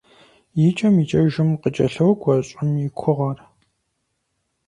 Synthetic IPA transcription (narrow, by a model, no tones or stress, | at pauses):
jɪt͡ʃʼɐmit͡ʃʼɐʒɨmqət͡ʃʼɐ̰ɬɐwɡʷɐɕʼɪmikʷʰʊʁɐr